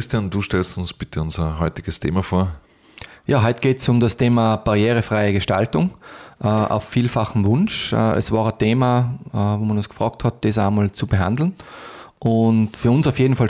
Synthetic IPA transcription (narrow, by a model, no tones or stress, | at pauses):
ɪstianduːʃtɛlstʊnsb̥ɪtʰəʊnzɐɦɔʏtɪɡəstʰḛːmafoːɐ | jaːɦɔʏtɡ̥eːtsʊmdastʰeːmab̥aʁjeːʁəfʁaɪəɡəʃta̰ltʊŋʔʔa̰ʊffiːlfaχn̩vʊnʃɛ̰ːʔɛ̰svɑːʁətʰeːmavoːmanʊnskfʁɑːk̚thɑt̚d̥eːsaɪmalt͡subəɦa̰ndl̩n̩ʔʊntfyːɐʊnsaʊfjeːdn̩fal